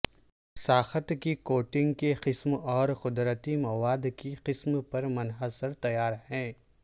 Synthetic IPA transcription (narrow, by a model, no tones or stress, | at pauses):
saːxət̪kikoːʈɪ̃ŋɡkeqɪsmɔːɾxʊd̪ɾət̪imɐʋaːd̪kiqɪsmpɐɾmɐnɦəsəɾt̪ɐjaːɾhɛ̃ː